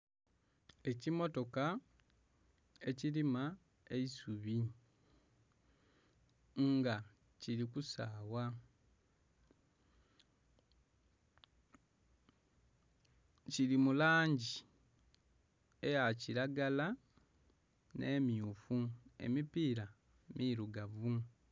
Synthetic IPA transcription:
e̞cimo̞to̞ka | e̞cilima | e̞isuβi | ŋɡa | cilikusaːwa | cilimulaːɲɟi | e̞jaciɾaɡala | ne̞ːmiufue̞̰mipiːɾa | mʔiɾuɡavu

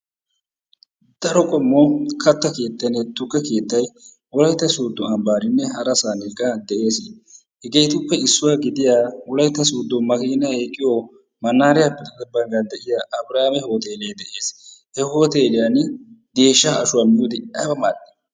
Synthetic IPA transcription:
d̪̥ɐɾɔkʼɔmːokʰɐt̪ːɐke̞ːt̪ːɐnɛt̪ʊɡɐke̞ːt̪ːɐj | wɔlɐjt̪ːɐsuːd̪ːɔɐmbaːɾɪnːɛɦɐɾɐsaːnɪkːɐd̪ɛʔe̞ːs | hɛɡeːt̪ʊpːɛɪsːʊwaːɡɪd̪ɪjaːwɔlɐjt̪ːɐsuːd̪ːɔmɐkiːnɐhekʼːɪjoː | mɐnːaːɾɪjapːɛt̪ʼɐd̪ɐbːɐŋɡɐnd̪ɛʔɪjaːʔɐbɾaːmɛhoːt̪e̞ːlejd̪ɛʔe̞ːshɛho̞ːt̪e̞ːlɪjand̪e̞ːʃːaːɐʃʊwamjuːd̪ɪɐbɐmaːd̪ɛ̥

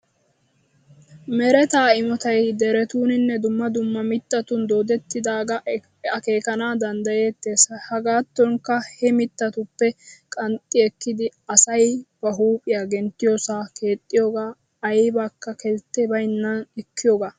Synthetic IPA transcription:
mɛɾɛt̪aːɪmɔt̪ɐjd̪ɛɾɛt̪uːnɪnːɛd̪ʊmːɐd̪ʊmːɐmɪt̪ːɐt̪ʊnd̪o̞ːd̪ɛt̪ːɪd̪aːɡɐ | ɐke̞ːkɐnaːd̪ɐnd̪ɐje̞ːt̪ːeːsɐhɐɡaːt̪ːɔŋkɐhɛmɪt̪ːɐt̪ʊpːɛkʼɐnt̪ʼːɪɛkːɪd̪ɪɐsɐjb̥ɐɦuːpʼɪjaːɡɛnt̪ːɪjoːsaːke̞ːt̪ʼːɪjoːɡaː | jbakːɐkɛlt̪ːebɐjnːɐnɛkʰːɪjoːɡaː

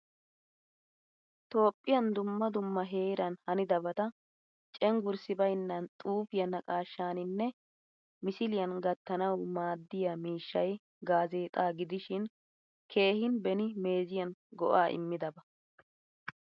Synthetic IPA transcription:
t̪o̞ːpʼːɪjɐnd̪ʊmːɐd̪ʊmːɐɦe̞ːɾɐnhɐnɪd̪ɐbɐt̪ɐ | t͡ʃʼɛŋɡʊɾsɪbɐjnːɐnt̪ʼuːfɪjɐnɐkʼaːʃːaːnɪnːɛ | mɪsɪlɪjɐnɡɐt̪ːɐnɐwmaːd̪ːɪjamiːʃːɐj | ɡaːze̞ːt̪ʼaːɡɪd̪ɪʃɪn | kʰe̞ːhɪnbɛnɪme̞ːzɪjɐnɡɔ̰ʔaːʔɪ̰mːɪd̪ɐbɐ

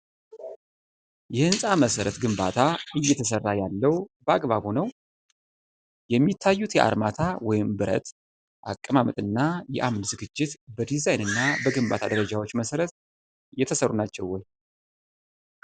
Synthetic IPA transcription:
jɛhɨnsʼaməsəɾət̪ɡɨmba̰t̪ʰaɨjːɛt̪ʰəsərːajalːəwbəaɡʼβaβunəw | jɛmːit̪ʰːajːut̪jɛʔa̰ɾmat̪ʰawɔjɪmbɨɾə̰t̪ | ʔa̰kʼːəmamət̪ʼɨnːajɛ̰ʔamnzɨɡɨd͡ʒːɪt̪bəd̪izajnɨnːabəɡɨmba̰t̪ʰad̪əɾəd͡ʒawot͡ʃːməsəɾət̪ | jɛt̪ʰəsərːunat͡ʃːɛwɔj

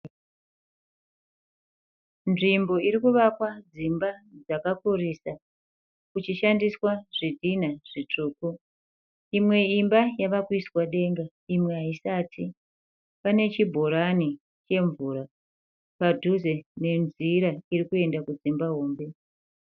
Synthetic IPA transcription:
nʐimbo̞iɾikuʋakwad͡zimbad͡zakakurisa | kut͡ʃiʃandiswaʐ̥idʱinaʐ̥it͡ʂuːku | imwe̞imbajaʋakwiswaɗe̞ŋɡa | imwe̞ɦaisaːtʰi | pane̞t͡ʃibʱoɾani | t͡ʃe̞ɱvuːɾa | padʱuze̞ne̞nziɾaiɾikue̞ndakud͡zimbaɦoːmbe̞

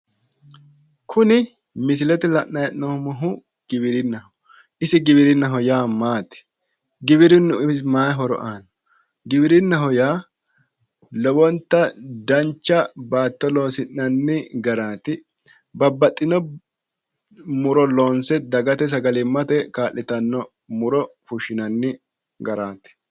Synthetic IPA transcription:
kʰʊnɪ | mɪs̬ɪlɛt̪ɛlɐʔnɐjʔɔmɔɦʊ | ɡ̥ɪbɪɾɪnːɐhʊ | ʔɪsɪɡɪbɪɾɪnːɐɦɔjaːmaːt̪ɪ̥ | ɡɪbɪɾɪnːʊmaːɦɔɾɔ̰ʔaːnɔ̥ | ɡɪbɪɾɪnːɐɦɔjaː | lɔbɔnt̪ːɐd̪ɐnt͡ʃːɐbaːt̪ːɔloːsɪnːɐnːɪɡɐɾaːt̪ɪ | bɐbːɐt̪ʼːɪnɔ | mʊɾɔloːnsɛd̪ɐɡɐt̪ɛs̬ɐɡɐlɪmːɐt̪ɛkaːlːɪt̪ɐnːɔ | mʊɾɔfʊʃɪnɐnːɪ | ɡɐɾaːt̪ɪ̥

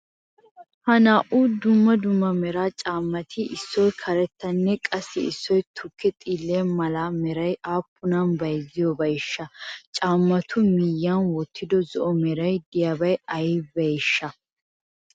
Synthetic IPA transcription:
hɐnaːʔuːd̪ʊmːɐd̪ʊmːɐmɛɾaːt͡ʃʼaːmːɐt̪ʰɪʔɪsːɔjkʰɐɾɛt̪ːɐnːɛkʼɐsːɪɪsːɔjt̪ʰʊkːɛt̪ʼiːlːeːnmɐlaːmɛɾɐjaːpːʊnanbɐjzɪjɔbɐjɪʃːɐt͡ʃʼaːmːɐt̪ʰʊmiːjːaːnwɔt̪ːɪd̪ɔzɔʔɔmɛɾɐjd̪ɪjabɐjɐjbɐjɪʃːɐ

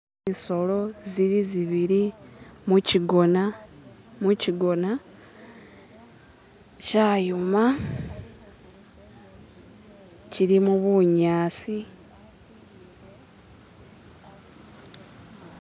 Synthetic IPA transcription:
iso̞lo̞ziɾiziβiɾimuciɡona | muciɡo̞na | caːjuma | ciɾimuβuɲaːsi

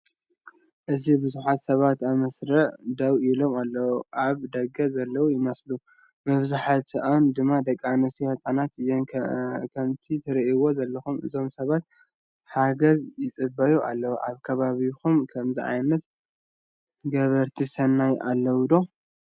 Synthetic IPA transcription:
ʔɨzibɨzuħat̪sɐβat̪amɐsɾɐʕd̪ɐwilo̞malːɐwuʔaβd̪ɐɡɐzɐlːɐwujɪmɐslu | mɐβzaħat̪ɨʔand̪ɨmːad̪ɐkʼːanɐst̪ihɐt͡sʼanat̪ɨjːenkʰɐmt̪ʰit̪ʰɐɾɐʔiwo̞zɐlːɐxumɨ̰zo̞msɐβat̪̚ | ħaɡɐzjɪt͡sʼɨbɐjuʔa̰lːɐwʔaβkʰɐβaβixumkʰɐmziʔa̰jnɐt̪ | ɡɐβɐɾt̪ʰisɐnːajʔa̰lːɐwud̪o̞

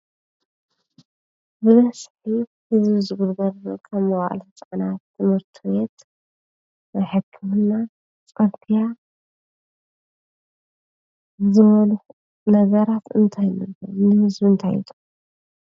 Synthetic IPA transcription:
bɨβɐsħi | hɨzbizɨɡulɡɐɾkʰɐmːɐwa̰ʔlt͡sʼʕnat̪ʰːɨmhɨɾt̪ʰɨbet̪ | najħɨkʰːɨmnːa | t͡sʼɐɾt̪ʰija | zɨβɐlux | nɐɡɐɾat̪ɨ̰nt̪ʰajnɨlɐnɨhɨzbint̪ʰa̰jḭt̪ʼu̥

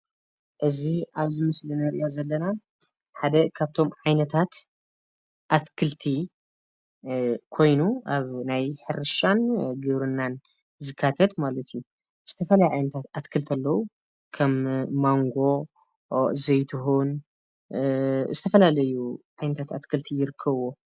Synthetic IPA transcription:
ʔɨziʔaβzɨmɐslɨnɐɾʔjazɐlːɐna | ħad̪ɐkʰaβt̪ʰo̞mʕajnɐt̪ʰat̪ | ʔat̪kʰɨlt̪ʰi | kʰo̞jnuʔaβnajħɨɾɨʃanɡɨβɾɨnːan | zɨkʰːat̪ʰɐt̪malɐt̪ʰiju | zɨt̪ʰɐfɐlajʕajnɐt̪ʰat̪at̪kʰɨlt̪ʰɐlːɐwu | kʰɐmːaŋɡo̞ | zɐjt̪ʰɨɦun | zɨt̪ʰɐfɐlalɐjuʕajnɐt̪ʰat̪at̪kʰɨlt̪ʰijɪɾɨkʰːɐβwo

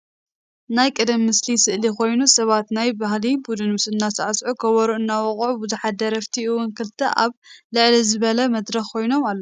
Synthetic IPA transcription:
najkʼɨd̪ɐmːɨslisɨʔlikʰo̞jnusɐβat̪najbahlibud̪ɨnɨsɨnːasɐʕasʕukʰɐβɐɾuɨnːawɔχʼʕubuzuħad̪ɐɾɐft̪ʰiʔɨwʊnkʰɨlt̪ʰɐʔa̰βlɨʕlizɨβɐlɐmɐd̪ɾɐxkʰo̞jno̞malːo

